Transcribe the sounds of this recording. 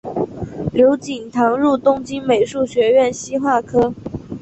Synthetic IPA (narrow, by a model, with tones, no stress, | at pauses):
ljo˧˥ʊt͡ɕi˨˩ŋt̪ʰɑ˧˥ŋɻu˥˧t̪ʊ˥ŋt͡ɕi˥nme˨˩ɪʂu˥˩ɕɥɛ˧˥ɥɛ˥˩nɕi˥xwa˥˩kʰɤ˥